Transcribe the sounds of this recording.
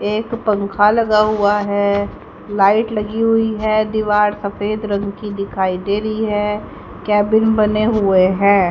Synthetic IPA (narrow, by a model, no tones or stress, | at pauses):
eːkpɐ̃ŋkʰalɐɡaɦʊaɦɛ | laːɪʈlɐɡiɦʊiɦɛd̪ɪʋaːɾsɐfeːd̪ɾɐ̃ŋɡkid̪ɪkʰaːid̪eːɾəiɦɛː | kɛːbɪnbɐneɦʊeɦɛ̃ː